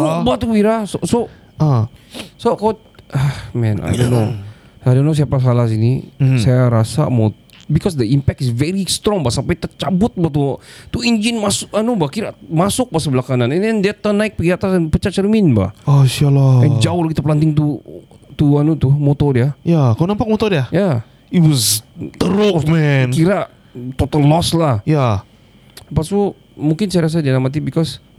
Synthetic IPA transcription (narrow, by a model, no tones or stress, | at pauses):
ɔbat̪ubiɾasoso | əsokao | əhmɛna̰jdono | ajdonos̬iapas̬alahsinḭsajaɾasa̰mo | bikɔsd̪əimpɛk̚t̪ɪsvɛɾist̪ɾɔŋbasampajt̪ərt͡ʃabʊt̪̚bat̪ut̪uiɲd͡ʒinmasʊkanubakiɾamasʊk̚basəbəlakananɛnɛndat̪ənaɪk̚pəɡiat̪asanpət͡ʃat͡ʃəɾmɪnba̰hɔʃalaɛnd͡ʒaʊhlakit̪apəlant̪ɪŋt̪u | t̪uanut̪ʊhmot̪ɔdiajakalonampak̚mot̪ɔdiaja | iwɔzt̪əɾomɛnkiɾa | t̪ot̪əllɔslahja | paso | muŋkɪnsajaɾas̬adinamat̪̬ibikɔs